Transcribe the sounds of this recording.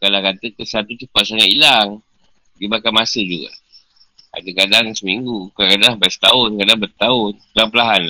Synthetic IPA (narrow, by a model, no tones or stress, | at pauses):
kalakat̪əkəsat̪ut͡ʃəpat̪̚saŋailaŋ | dimakamasəd͡ʒuɡa̰ | a̰dakadaŋsəmiŋɡukakadaahbast̪aʊnkadaŋbərt̪aʊnkdaŋpəlaɦanla